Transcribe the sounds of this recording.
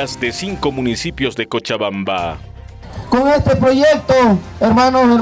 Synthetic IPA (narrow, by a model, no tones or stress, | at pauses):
azd̪esiŋkomunisipjo̞zðekot͡ʃaβamba | koŋest̪epɾoʝek̚t̪o | eɾmanose